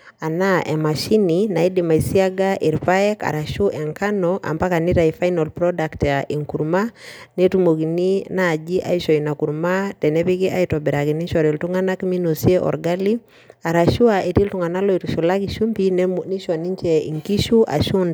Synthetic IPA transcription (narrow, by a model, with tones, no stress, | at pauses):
a˨naʔɛ˨ma˨ʃi˦nina˨i˦dima˨i˨si˦a˦ɡaʔi˨ɾpaɛka̰˨ɾa˨ʃu˦ʔɛ˨ŋka˦nɔʔa̰˨mba˦ka˨ni˦ɾa˨ifa˦jnalpɾɔdaktaʔi˨ŋku˨ɾmanɛ˦tumo˨k̬i˨ni˦naː˨d͡ʒi˦ʔa̰˦iʃɔina˨ku˨ɾmatɛ˨nɛpi˦ki˦ʔaitɔbiɾakini˦ʃɔɾi˨ltu˦ŋana˦kmi˦nosjɛʔɔ̰ɾɡali˦ | a˨ɾa˨ʃu˦ae˨ti˦ltu˨ŋa˨na˦lɔ˦i˨tuʃu˨lakiʃu˦mpini˦ʃwa˨ni˦ɲt͡ʃɛḭ˨ŋki˦ʃuʔa̰˨ʃu˦nda˨